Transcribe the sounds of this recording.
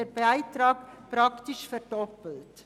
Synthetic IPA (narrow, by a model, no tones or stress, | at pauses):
əbaɪtrɑːkprɑktiʃfərdɔpəlt